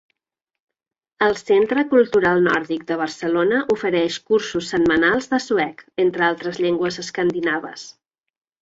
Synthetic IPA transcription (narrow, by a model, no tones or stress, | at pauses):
əlˠsent̪ɾəkulˠt̪uɾalˠnɔɾðik̚d̪əβ̞ərsəlonəʔufəɾɛʃkuɾsusːəmmənalˠzðəsuɛkent̪ɾəalˠt̪ɾəzʎeŋɡwəzəskənd̪inaβə̰s